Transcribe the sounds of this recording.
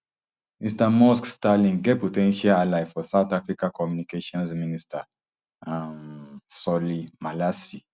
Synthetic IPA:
mistamɔskstalĩŋɡɛpotɛ̃nʃaalafɔsawt̪afɾikakɔmunikeʃiɔ̃nsminista | sɔlimalasi

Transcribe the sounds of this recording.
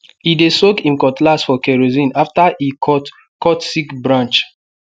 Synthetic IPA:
idesokĩmkɔtlasfɔkɛɹozĩnaftaʔikʰɔt | kɔtsikbɹãnt͡ʃ

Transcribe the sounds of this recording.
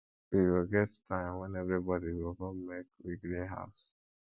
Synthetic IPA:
wiwilɡɛttʰãɪ̃mwɛ̃nɛvɹibɔdiwilkɔ̃mːekwiɡliɦa̰ʊs

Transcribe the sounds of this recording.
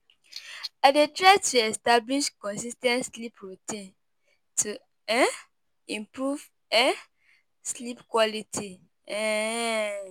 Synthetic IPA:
adetɹatuɛstabliʃkɔ̃nsistɛ̃ntslipɹutĩn | tʰu | ɛ | ĩmpɹuv | ɛ̃ | slipkwɔlitʰi | ɛ

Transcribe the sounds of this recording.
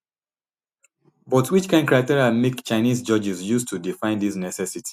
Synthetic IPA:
bɔtwit͡ʃkãɪ̃nkɹatiɹialmekt͡ʃaɪnizd͡ʒɔd͡ʒizjustʰudifãɪ̃ndisnɛsɛsiti̥

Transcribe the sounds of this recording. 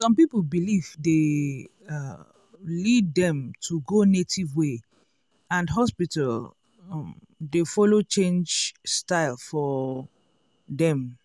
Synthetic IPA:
sɔ̃mpiplbiliv̥de | lid̚ːɛ̃mtʰuɡonetʰivwe | ãndɦɔspital | defɔlot͡ʃẽnd͡ʒstaɪlfɔ | dɛ̃m

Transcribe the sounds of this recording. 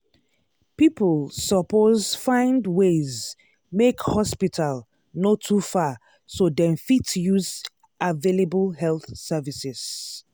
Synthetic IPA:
piplsɔpozfãɪ̃ndwez | mekhɔspitʰal | notʰufa | sodɛ̃nfitjuz | ʔavelebəlɦɛlˠθsɛvisɪz̥

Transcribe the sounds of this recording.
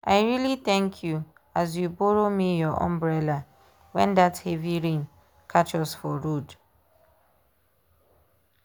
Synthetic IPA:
aɪɹilit̪ɛ̃ŋkʰju | azjubɔɾomijɔʔã̰mbɹɛla | wɛ̃ndatheviɹĩn | kʰat͡ʃɔsfɔɹud

